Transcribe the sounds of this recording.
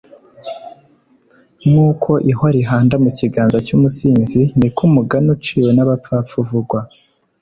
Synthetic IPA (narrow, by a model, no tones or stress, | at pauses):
nuːkʰo̞ʔihaɾiɦaːndamuciɡaːnzacumusiːnzinikumuɡanut͡ʃiːwonaβap͡fap͡fuvuɡwa